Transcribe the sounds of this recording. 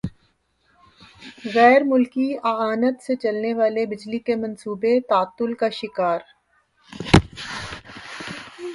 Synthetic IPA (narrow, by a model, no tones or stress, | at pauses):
ɣɛːɾmʊlkiɐaːnət̪set͡ʃɐlneʋaːlebɪd͡ʒlikemɐ̃nsuːbet̪aːt̪ːʊlkaʃɪkaːɾ